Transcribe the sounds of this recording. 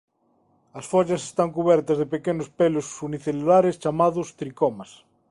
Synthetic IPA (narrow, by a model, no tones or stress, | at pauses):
ɐsfoʎase̥st̪aŋkuβɛɾt̪ɐzðepekenospelosuniθelulaɾest͡ʃamaðʊst̪ɾikɔmas